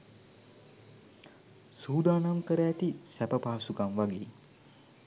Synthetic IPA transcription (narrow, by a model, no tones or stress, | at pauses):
suːd̪aːnamkəɾəːt̪isæpəpaːsukamʋaɡeː